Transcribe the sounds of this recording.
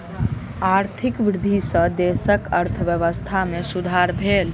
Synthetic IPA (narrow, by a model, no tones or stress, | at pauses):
aɾt̪ʰikʋɾɪd̪ʱisə̃d̪esəkəɾt̪ʰəʋjəʋəst̪ʰamesud̪ʱaɾbʱel